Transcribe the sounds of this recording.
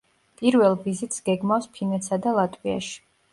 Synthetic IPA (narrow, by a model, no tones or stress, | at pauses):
pʼiɾvɛlˠvizit̪ʼsɡɛɡmafspʰinɛt̪sʰad̪alˠat̪ʼwia̰ʃi̥